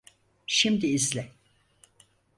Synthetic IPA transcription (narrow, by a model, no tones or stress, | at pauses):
ʃimd̪iːzlʲɛ